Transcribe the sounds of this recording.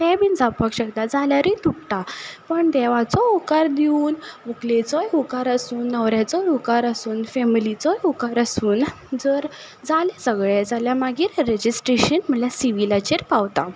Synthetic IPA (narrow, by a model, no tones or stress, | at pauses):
t̪ɛbind͡zʱapakɕəkt̪ad͡zaljaɾit̪ukʈapəɳd̪ɛʋat͡sɔɔkaɾd̪iuːnʋuklet͡sɔjukaɾəsuːnːəʋɾjat͡sɔjɔkaɾəsuːnfɛmilit͡sɔjukaɾəsuːn | d͡zəɾ | d͡zalesəɡɭed͡zaljamaɡiːɾɾed͡ʑisʈɾeɕənm̤əlasiʋilat͡ɕeɾpaʋt̪a